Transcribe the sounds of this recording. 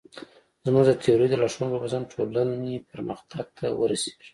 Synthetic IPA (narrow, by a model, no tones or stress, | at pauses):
zmuɡd̪ət̪ʰejoɾijd̪əlaʂunpəbazanʈʰolanepəɾməxt̪ʰaɡ̚t̪ʰa̰wəɾase̥ʒi̥